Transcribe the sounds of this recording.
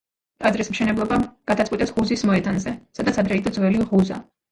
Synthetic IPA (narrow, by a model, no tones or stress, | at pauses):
t̪ʼadzɾismʃɛnɛblˠɔbaɡ̥ad̪at̪sʼwit̪ʼɛsʁuzismɔɛd̪anzɛsad̪at̪sʰad̪ɾɛid̪ɔd̪zwɛliʁuza̰